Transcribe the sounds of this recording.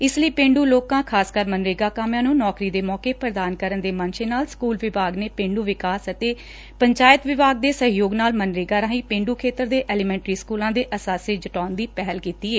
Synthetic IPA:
ɪsləiːpẽːɳɖuːloːkãːkʰaːskəɾmənɾeːɡaːkaːmjãːnũːnɔːkɾiːd̪eːmɔːkeːpɾəd̪aːnkəɾənd̪eːmə̃nʃeːnaːlskuːlʋɪbaːɡneːpẽːɳɖuːʋɪkaːsət̪eː | pəɲt͡ʃaːjət̪ʋɪbaːɡ̚d̪eːsəɦjoːɡnaːlmənɾeːɡaːɾãːĩːpẽːɳɖuːkʰeːt̪əɾd̪eːʔɛːliːmɛ̃ːɳʈɾiːskuːlãːd̪eːʔəsaːseːd͡ʒəʈaːnd̪iːpɛɦəlkiːt̪iːeː

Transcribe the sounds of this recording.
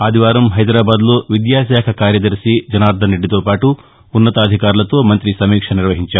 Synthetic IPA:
aːd̪ʱiʋaːɾɐmɦɐjd̪ɾaːbaːd̪loːʋid̪jaːʃaːkʰɐkaːɾjɐd̪ɐɾsid͡ʒɐnaːɾd̪ʱɐniɖːit̪oːpaːʈuː | nːɐt̪ɐːd̪ʱikaːɾulɐt̪o̞ːmɐnt̪ɾisɐmiːkʂɐniɾʋɐɦiɲt͡ʃaːɾu

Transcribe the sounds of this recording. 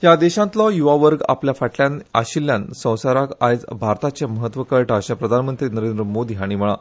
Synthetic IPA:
jad̪eɕãnt̪lɔjuʋaʋəɾɡa̰pljafaʈljana̰ɕilːjansə̃w̃saɾakajt͡sbʱaɾt̪at͡seməɦət̪ʋəkəɭʈəɕãpɾəd̪ʱanmənt̪ɾiːnəɾẽnd̪ɾəmod̪ʱiːaɽ̃im̤əɭa̰

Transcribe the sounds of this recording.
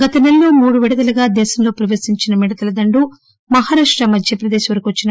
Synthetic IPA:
ɡɐt̪ɐnelːoːmuːɽuʋiɽɐd̪ɐlɐɡaːd̪ɛːʃɐmlo̞ːpɾɐʋɐsiɲt͡ʃinɐmiɽɐt̪ɐlɐd̪ɐɳɖu | mɐɦaːɾaːʂʈɾɐmɐd̪ʱjɐpɾɐd̪eːʃɐʋɐɾɐkiʋɐt͡ʃːinɐ

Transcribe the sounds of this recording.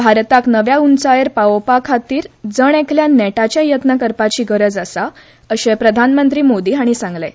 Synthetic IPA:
bʱaɾt̪aknəʋjaunt͡sajeɾpaopakʰat̪iːɾd͡zəɳ̃ekʰljanɛʈat͡ɕjajət̪nəkəɾpat͡ɕiːɡəɾəd͡zasa | əɕepɾəd̪ʱanmənt̪ɾiːmod̪iːɦaɽ̃isãŋɡle

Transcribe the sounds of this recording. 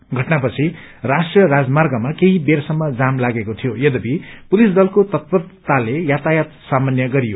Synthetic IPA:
ɡʱʌʈnapʌt͡sʰi | rasʈrijʌrad͡zmarɡʌmakeɦibersʌmːʌd͡zamlaɡekot̪ʰijojʌd̪ʌbipulisd̪ʌlkot̪ʌt̪̚bʌrt̪alejat̪ajat̪samʌnjʌɡʌɾijo

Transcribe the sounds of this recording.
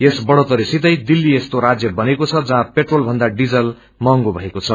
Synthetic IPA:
esbʌɽot̪ʌɾisit̪ʌjd̪ilːiest̪oɾad͡zjʌbʌnekot͡sʰʌd͡zʌɦãpeʈrolbʱʌnd̪aɖid͡zʌl | mʌŋɡobʱʌekot͡sʰʌ

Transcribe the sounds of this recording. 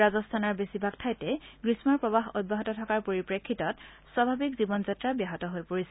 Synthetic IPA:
azɔstʰanɔɹbesibʱak̚tʰajtɛɡɹismaɹpɹɔbaɦɔ̰d̚bʱaɦɔtɔtʰɔkaɹpoɹipɹekʰːitɔt | swabʱabikzibɔnzatɹabjaɦɔtɔɦojpoɹisɛ

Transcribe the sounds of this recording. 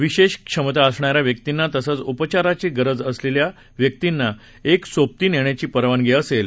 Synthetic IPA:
ʋiɕeɕkʂəmət̪aəsɳaɾjaʋjək̚t̪inːat̪əsət͡supət͡ɕaɾat͡ɕiːɡəɾəd͡zəslelja | ʋjək̚t̪inːa | eksop̚t̪iːneɳ̃at͡ɕiːpəɾʋanɡʱeəsel

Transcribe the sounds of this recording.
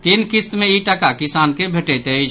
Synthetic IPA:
t̪inkɪst̪mẽiʈakakɪsaːnkebʱeʈet̪e

